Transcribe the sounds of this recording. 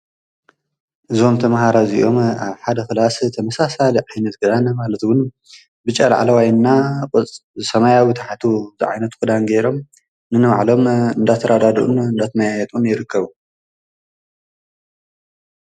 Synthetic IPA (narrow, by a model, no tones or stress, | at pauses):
ʔɨzo̞mt̪ʰɐmhaɾazḭʔo̞maβħad̪ɐxɨlast̪ʰɐmɐsasaliʕajnɐt̪ɡɨd̪anɐmalɐt̪wʊn | bɨt͡ʃʼɐlʕa̰lɐwajnːakʼɨt͡sʼzɨsɐmajawit̪ʰaħat̪ʰuzɨ̰ʕa̰jnɐt̪kʰud̪anɡeɾo̞m | nɨnɨma̰ʕlo̞mɨnd̪at̪ʰːɐɾʔad̪ad̪ʔṵnɨnd̪at̪ʰmɐjajɛt̪ʼunjɪɾɨkʰːɐβu